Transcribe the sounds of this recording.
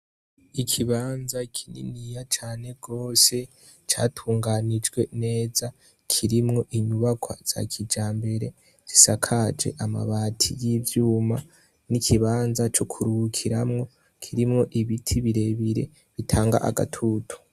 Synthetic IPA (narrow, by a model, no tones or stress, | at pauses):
ikʰiβaːnzakʰinḭnijat͡ʃaːne̞ɡo̞ːse̞ | t͡ʃa̰ːtʰuːŋɡaːnid͡ʒɡwe̞ne̞ːza | kʰiɾimŋo̞ʔiɲuβakʰwa̰z̥a̰kʰid͡ʒaːmbe̞ɾe̞ | z̥isakʰad͡ʒe̞̰ʔama̰βaːtʰḭjivjuːma | nikʰiβaːnzat͡ʃo̞kʰuɾukʰiɾamŋo̞ | kʰiɾimŋo̞ʔiβitʰiβiɾe̞βiɾe̞̰ | βitʰaːŋɡa̰ʔa̰ɡa̰tʰuːtʰu̥